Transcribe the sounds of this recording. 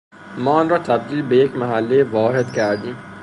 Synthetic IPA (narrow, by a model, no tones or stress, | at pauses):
mɒːnɾɒːt̪ʰæb̚d̪iːlbejekmæɦælːejʋɒːɾed̪kʲʰæɾd̪ĩːm